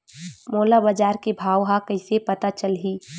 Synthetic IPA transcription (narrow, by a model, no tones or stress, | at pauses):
moːlabəd͡ʒaːɾkebʱaːwɦakɐɪsepɐt̪at͡ʃəlɦiː